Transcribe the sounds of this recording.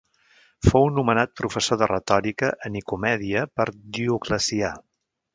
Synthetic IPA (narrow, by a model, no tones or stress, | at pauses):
fownumənat̪̚pɾufəsoðərət̪ɔɾikəʔənikumɛðiəpəɾdiukləsia